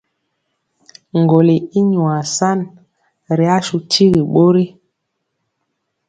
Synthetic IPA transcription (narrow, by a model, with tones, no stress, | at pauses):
ŋ˨ɡo˨li˨i˦ɲu˨a˨sa˦n | ɾi˨a˦su˨ti˦ɣi˨ɓo˦ɾi˦